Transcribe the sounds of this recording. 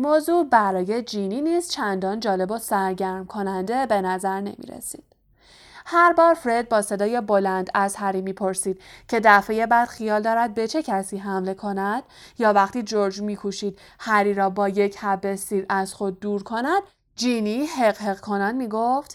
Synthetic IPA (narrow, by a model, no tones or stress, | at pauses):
moːzubæɾɒːje̞d͡ʒiːniːniːst̪t͡ʃʰænd̪ɒːnd͡ʒɒːle̞bosæɾɟæɾmkʰo̞nænd̪ebe̞næzæɾne̞̰mḭːɾḛsi̥̰ːd̪̥ | hæɾbɒːɾfɾe̞d̪̚bɒːse̞d̪ɒːje̞bo̞lænd̪æzhæɾiːmiːpʰo̞ɾsiːd̪̥̚cʰe̞d̪æfe̞je̞bæd̪̥xijɒːld̪ɒːɾæd̪̚be̞t͡ʃʰe̞cʰæsiːɦæmle̞kʰo̞næd̪̥̚jɒːvæχt̪iːd͡ʒoɾd͡ʒmiːkʰuʃiːd̪̥ | hæɾiːɾɒːbɒːje̞cʰhæbe̞siːɾæz̥xo̞d̪̚ːuːɾkʰo̞næd̪̚ | d͡ʒiːniɦeɣɦeɣkʰo̞nænmiːɡoft̪